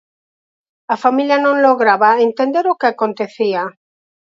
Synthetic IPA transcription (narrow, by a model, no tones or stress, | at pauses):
afamiljanõŋloɣɾaβaent̪end̪eɾokɪakont̪eθia